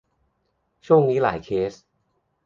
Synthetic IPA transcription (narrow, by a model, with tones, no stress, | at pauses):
t͡ɕʰu˥˩əŋniː˦˥la̰ː˩˦jkʰeː˦˥s